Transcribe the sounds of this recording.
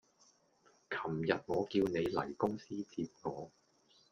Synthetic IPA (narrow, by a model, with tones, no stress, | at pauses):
kʰɐ˨˩mjɐ˨t̚ŋɔː˨˧kiː˧wne˨˧jlɐ̰˨˩jkʊ˥ŋsiː˥t͡sʰiː˧p̚ŋɔː˨˧